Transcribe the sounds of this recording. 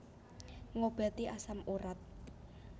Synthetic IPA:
ŋob̥ɛ̤t̪iʔasamuɾat̪̚

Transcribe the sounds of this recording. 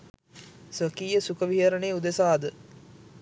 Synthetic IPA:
sʋəkiːjəsukəʋiɦəɾəneːud̪esaːd̪ə

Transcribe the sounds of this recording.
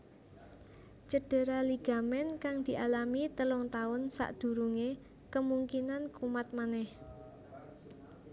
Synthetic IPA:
t͡ʃəɖ̥ə̤ɾaliɡ̥a̤mɛnkaŋd̪̥i̤ʔalamit̪əlɔŋt̪aʊnsa̰ʔd̪̥ṳɾuŋe | kəmuŋkinankumat̪̚manɛh

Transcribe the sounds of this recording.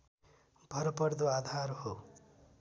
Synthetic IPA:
bʱʌɾopʌɾd̪oaːd̪ʱaɾho

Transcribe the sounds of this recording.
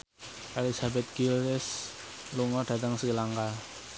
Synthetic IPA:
ʔɛlisabɛt̪̚ɡ̥ilːɪs | luŋɔɖ̥ä̤t̪əŋsəkilaŋkal

